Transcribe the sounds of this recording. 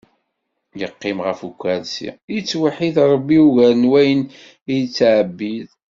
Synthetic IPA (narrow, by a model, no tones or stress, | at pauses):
jəqːɪmʁəfukʷːælsḭjit͡sːwaħiðɾˤəbːiuʝæɾnwæjən | ijt͡sːʕəbːið